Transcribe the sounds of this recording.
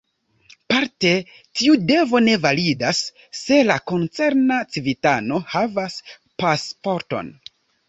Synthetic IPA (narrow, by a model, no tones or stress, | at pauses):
paɾte̞ | tiude̞vo̞ne̞validasː | e̞lako̞nt͡se̞ɾnat͡sivitano̞havas | paspo̞ɾto̞̰n